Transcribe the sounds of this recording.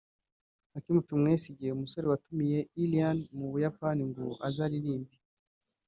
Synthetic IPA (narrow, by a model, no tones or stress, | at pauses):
akimutumŋesiɟiheumuso̞ɾewatumije̞ilijanmuβujapaniŋɡoʔazaɾiɾiːmbi